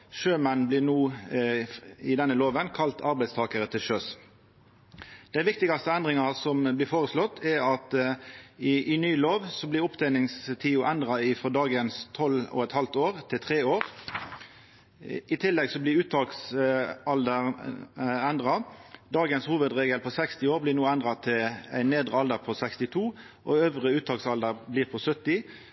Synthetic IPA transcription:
ʃøːmɛnblɪːnuː | ɪd̪ɛnːəloːʋənkʰɑlt̪ʰɑʁbæɪst̪ʰɑːkəʁət̪ʰɪlʃøːs | d̪̥æɪʋɪkt̪ɪɡɑst̪əɛnd̪ʁɪŋɑsɔmblɪːfoːʁəslɔt̪ʰːɛʁɑt̪ | ɪɪnyːloːʋsɔblɪɾʊpd̪æɪlɪŋst̪ʰiːʊʔænd̪ʁɑɪfɔd̪ɑːɡənst̪ʰɔlɔ̰ɛt̪hɑlt̪oːʁt̪ʰɪlt̪ʰʁeːoːʁ | ɪt̪ʰɪlːɛɡsɔblɪʁʉːt̪ʰɑːksɑld̪əʁ | ɛnd̪ʁɑd̪ɑːɡənshuːʋəd̪ʁeːɡəlpʰɔsɛkst̪ɪoːʁblɪʁnuːænd̪ʁɑt̪ʰɪlæ̰ɪnːeːd̪ʁəɑld̪əʁpʰɔsækst̪ɪt̪ʰuː | ʔɔøːʋʁəʉːt̪ʰɑːksɑld̪əʁbliːʁpʰɔsœt̪ːɪ

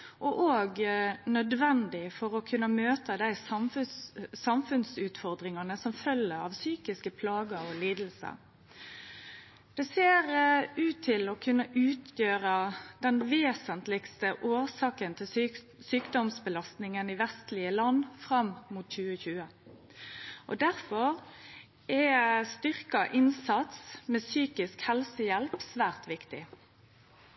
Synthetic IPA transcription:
ʔɔʔoːɡnœd̪ʋɛnd̪ɪfɔʁɔkʰʉnːəmøːt̪əd̪æɪsɑfsɑmfʉnsʉːt̪fɔʁd̪ʁɪŋɑnəsɔmfœlːəɾɑ̰ʋsyːkɪskəpʰlɑːɡəɔliːd̪l̩sə̰ | d̪̥ɛseːʁʉːt̪ʰːɪlɔkʰʉnːəʔʉːt̪ʰjøːɾəd̪̥ɛnʋeːsənt̪lɪɡst̪əʔoːʁsɑːkənt̪ʰɪ | syːkd̪ɔmsbəlɑst̪nɪŋəniːʋɛst̪lɪəlɑnːfʁɑmmuːt̪çʉːəçʉːə | ʔɔd̪æʁfɔʁ | ɛst̪ʏʁkɑʔɪnsɑt̪smeːsyːkɪskhɛlsəjɛlpsʋæːʁt̪ʋɪkt̪ɪ

